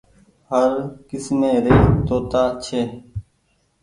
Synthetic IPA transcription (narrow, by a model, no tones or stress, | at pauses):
həɾkɪsmẽːɾeːt̪oːt̪aːt͡ʃʰeː